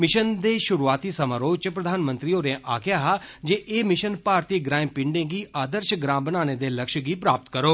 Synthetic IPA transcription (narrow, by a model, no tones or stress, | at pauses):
mɪʃənd̪eːʃʊɾuːaːt̪iːsəmaːɾoːt͡ʃpɾəd̪ʱaːnmə̃nt̪ɾiːoːɾẽʔaːkʰjaːɦaːd͡ʒeːʔeːmɪʃənpaːɾt̪iːɡɾãːĩmpɪ̃ɳɖẽːɡiːʔaːd̪əɾʃɡɾãːbənaːneːd̪eːləkʃɡiːpɾaːpət̪kəɾoː